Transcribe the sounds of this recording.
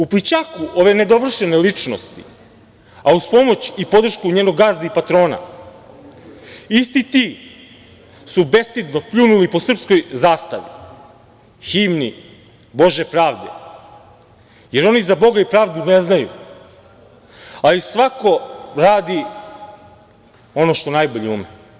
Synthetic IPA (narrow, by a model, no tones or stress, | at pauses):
uplit͡ɕakuʔo̞ʋe̞ne̞d̪o̞ʋr̩ʃene̞lit͡ʂno̞̰st̪ḭ | auspo̞mo̞t͡ɕipo̞d̪r̩ʃkuɲeːno̞ɡːaːzd̪aipat̪ɾo̞ːna̰ | ist̪it̪i | sube̞st̪id̪no̞pʎunulipo̞sr̩psko̞jzaːst̪aʋḭ | xiːmni | bo̞ʒepɾaːʋd̪ḛ | je̞ɾo̞nizabo̞ɡaipɾaːʋd̪uneznajṵ | alisʋako̞ɾaːd̪i | o̞noʃt̪o̞najbo̞ʎeume